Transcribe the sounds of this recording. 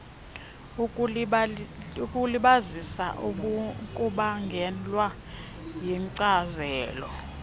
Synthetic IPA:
kʼuliɓazisa̰ʔukʼuɓaŋɡʱɛlwa | jiŋǀazɛːlɔ̰

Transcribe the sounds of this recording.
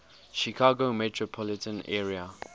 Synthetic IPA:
ʃikʰaːɡomɛtʰɹopʰɔlɪtə̃nɛːɹia

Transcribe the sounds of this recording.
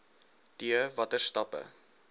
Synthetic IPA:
d̥iəvɐtərstɐpə̰

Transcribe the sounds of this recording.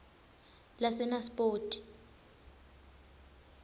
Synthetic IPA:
lasɛnaspʼoːtʼi̥

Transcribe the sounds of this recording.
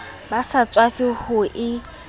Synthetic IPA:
basat͡sʼwafɪhʊʔɪ

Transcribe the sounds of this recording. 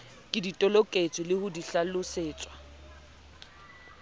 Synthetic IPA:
kʼɪditʼɔlɔkʼet͡sʼɪlɪhʊdiɬalʊseːt͡sʼwa

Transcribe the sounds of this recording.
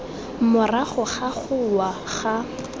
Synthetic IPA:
mʊraχʊχaχʊwaχa

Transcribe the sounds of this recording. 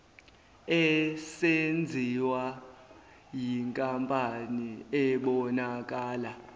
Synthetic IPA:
ɛsend͡zʱiwa | jiŋkʼampʼaniɛɓɔnakʼaːla

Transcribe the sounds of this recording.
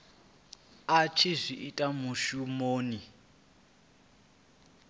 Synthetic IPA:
at͡ʃʰizʷiʔitʼamuʃumoːni

